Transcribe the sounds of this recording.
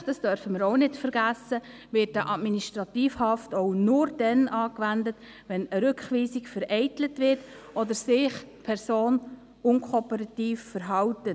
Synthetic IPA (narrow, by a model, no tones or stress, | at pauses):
d̥ɑsd̥œɾfəməɾoʊnɪtfəɾɡ̥æsə | ʋɪt̚daʔɑdminiʃtɾɑtiːfhɑftoʊnʊɾd̥ɛnʔɑːkʋændət | ʋɛnəɾʏkχʋiːsikfəɾɛɪtlətʋɪt | ʔɔdəsɪχpʰɛɾsoːn | ʊŋkʰɔpəɾɑtiːfːəɾɦɑwtə